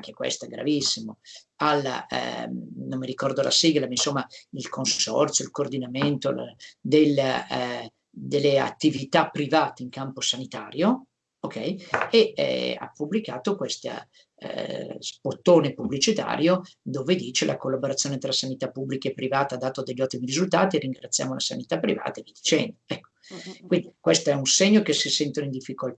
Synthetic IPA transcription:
aŋk̟ekwḛst̪oɛɡɾa̰visːimo | alːa̰ | nomːiɾikɔrd̪oala̰siːɡlamainsomːailkʰonsɔ̰rt̪sjoilkoːrd̪inament̪olad̪elːa | d̪elːea̰t̪ːivit̪apːɾivaːt̪eiŋkamposanit̪aːɾjo | okʰɛjeɛ̰a̰pːublikaːt̪okwest̪a̰ | spot̪ːoːnepublit͡ʃit̪a̰ːɾjod̪oːved̪iːt͡ʃelʔa̰kolːaboɾat̪sːjoːnet̪ɾasanit̪apːubːlikeepːɾivaːt̪ad̪ːaːt̪oad̪eʎːɔt̪ːimirizult̪aːt̪iɾiŋɡɾat̪sːja̰ːmolʔasanit̪apːɾḭva̰ːt̪aevid̪it͡ʃɛ̰nd̪oɛkːo̥kwind̪ikwest̪oɛunseɲːokesisɛnt̪onoind̪ifːikolt̪a

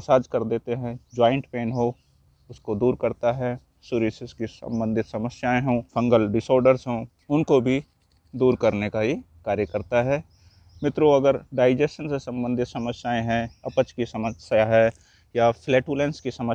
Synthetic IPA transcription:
saːd͡ʒkɐɾd̪eːt̪eɦɛ̃d͡ʒaːɪ̃ɳʈpeːnɦo | ʊskod̪uːɾkɐɾt̪aɦɛ | suːɾɪsɪskisə̰̃mbə̃nd̪ʱɪt̪sɐməsjaːẽɦõːfʰɐ̃ŋɡəlɖɪsoːɾɖəɾsɦõː | ʊnkobʱi | d̪uːɾkɐɾnekaɦi | kaːɾjəkəɾt̪aɦɛː | mɪt̪ɾoɐɡəɾɖaːɪd͡ʒɛsʃənsesɐ̃mbə̃nd̪ʱɪt̪sɐməsjaːẽɦɛ̃ɐpət͡ʃkisɐməsjaɦɛ | jafleːʈuːlẽnskisɐmə

